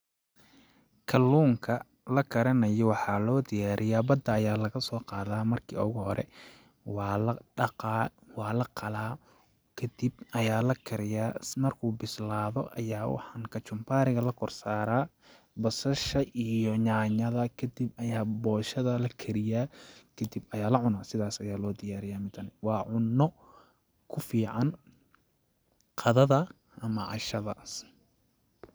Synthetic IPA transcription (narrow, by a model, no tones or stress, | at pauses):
kʰɐlːuːŋkʰɐ | lɐkʰɐɾɐnɐjɔwɑħɑːlɔːd̪ɪjaːɾʔɪjaːbɐd̪ɐːjaːlɐɣɐsɔːqɑːðaːmɐrkʰḭːɔɣʊhɔɾɛ̰ | w | wɑːlɐqʰɑlaː | kʰɐd̪̥ɪb̚ɐjaːlɐkʰɐɾɪjaːmɐrkʰuːbɪslaːðɔʔɐjaːwɑ̰ħɑŋkʰɐt͡ʃʊmpʰaːɾɪɣɐlɐkʰɔrsaːɾaː | bɐsɐʃɐʔijɔɲaːɲɐðɐkʰɐd̪ibɐjaːbɔːʃɐðɐlɐkʰɐɾɪjaːkʰɐd̪ibɐjaːlɐʕʊnaːsɪðaːsɐjaːlɔːd̪ɪjaːɾɪjaːmɪt̪ʰɐnɪwɑːʕʊnːɔ | kʰʊfiːʕɑn | qʰɑðɐðɐ | ʔɐmɐʕɑ̰ʃɐðɐ̰s